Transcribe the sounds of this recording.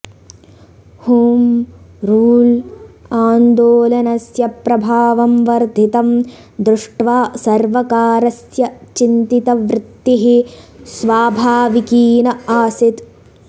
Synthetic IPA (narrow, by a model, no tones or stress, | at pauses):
huːmɾuːlaːnd̪oːlɐnɐsjɐpɾɐbʱaːʋɐmʋɐɾd̪ʱit̪ɐm | d̪ɾuʂʈʋaːsɐɾʋɐkaːɾɐsjɐt͡ʃint̪it̪ɐʋɾɪt̪ːiɦisʋaːbʱaːʋikiːnɐaːsit̪